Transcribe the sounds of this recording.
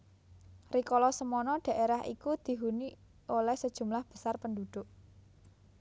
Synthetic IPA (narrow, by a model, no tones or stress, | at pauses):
rikɔlɔsəmɔnɔɖ̪̥ä̤ʔeɾaɦḭkud̪̥i̤ɦuni | ʔolɛhsəd̥ʒ̥ṳmlahb̥ə̤̥sarpəndud̪̥ʊ̤ʔ